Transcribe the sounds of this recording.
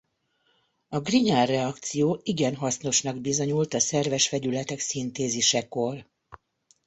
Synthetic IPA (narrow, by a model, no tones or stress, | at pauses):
ɒɡriɲaːrːɛɒkt̪sijoːiɡɛnɦɒsno̞ʃnɒɡbizo̞ɲult̪ɒsɛrvɛʃfɛɟylɛt̪ɛksint̪eːziʃɛko̞r